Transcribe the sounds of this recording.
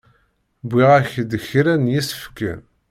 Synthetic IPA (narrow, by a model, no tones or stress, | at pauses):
biʁæçd̪əçɾænjisə̥fkːæ̰n